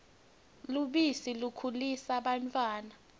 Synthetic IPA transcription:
luɓisilukʰulisaɓantʼwaːna

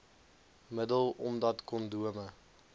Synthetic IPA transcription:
mədəlˠɔmdɐtkɔnduəmə

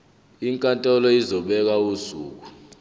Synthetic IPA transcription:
iŋkʼantʼɔlɔizɔɓɛk̬ausuːk̬u

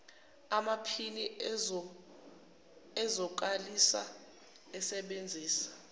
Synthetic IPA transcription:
amapʰini | ɛzɔk̬alisa̰ | ɛsɛɓend͡zʱiːsḁ

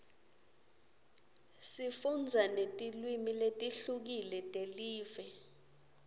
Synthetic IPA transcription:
sifund͡zʱanetʼilwimiletʼiɬuk̬ilɛtʼeliːvɛ

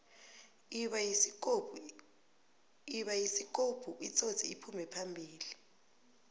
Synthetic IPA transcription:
iɓa | iɓajisik̬ʼob̥ʱuʔit͡sʰʼotʰiipʰumɛpʰambʱiːli

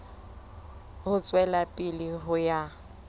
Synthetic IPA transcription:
hʊt͡sʼwɛlapʼɪlɪɦʊja

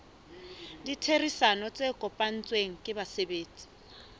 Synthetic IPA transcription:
ditʰerisanɔt͡sʼekʼɔpʼan̩t͡sʼweŋ̩kʼɪbasebeːt͡sʼi̥

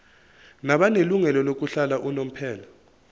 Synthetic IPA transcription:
naɓaneluŋɛlɔlok̬uɬalaʔunom̩pʰɛːla

